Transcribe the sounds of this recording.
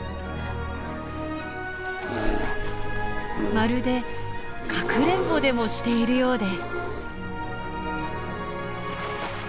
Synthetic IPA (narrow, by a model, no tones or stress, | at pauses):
maɾɯ̟d̪e̞ | kʰakɯ̟ɾẽ̞mpo̞d̪e̞mo̞ɕi̥t̪e̞iɾɯ̟jo̞ːd̪e̞sɨ̥